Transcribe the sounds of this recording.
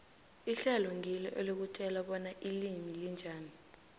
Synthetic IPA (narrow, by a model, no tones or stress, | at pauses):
iɬɛlɔŋʱilɛʔelok̬utʼɛlaɓɔnaʔilimilind͡ʒʱaːni